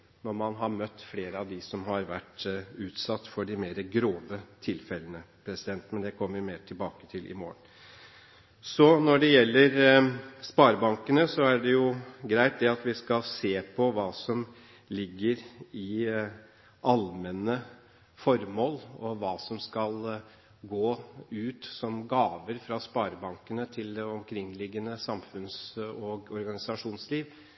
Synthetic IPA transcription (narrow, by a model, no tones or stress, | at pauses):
nɔɾmɑnɦɑɾmœt̪ːfleːɾəɑʋd̪ɪsɔmhɑɾʋæʈːʉːt̪sɑt̪ːfɔɖɪmeːɾəɡɾoːʋət̪ʰɪlfɛlːənəpʰɾɛsɪd̪ɛnt̪mɛnd̪ɛkʰɔmːəɾɪmeːɾʈ̪ʰɪlbɑːkət̪ʰɪlʔɪ̰mo̰ːən | sɔnɔɖɛjɛlːəɾspɑːɾbɑŋkənəsɔæɖɛjʊɡɾæɪt̪̚d̪ɛɑt̪ʋɪskɑlseːpʰɔʋɑːsɔm | lɪɡːəɾɪ | ʔɑlmɛnə | fɔɾmoːlɔʋɑːsɔmskɑl | ɡoːʉːt̪sɔmɡɑːʋəɾfɾɑspɑːɾbɑŋkənət̪ʰɪld̪ɛɔmkʰɾɪŋːlɪɡːənəsɑmfʉnsɔɔɾɡɑnɪsɑʂuːnsliːʋ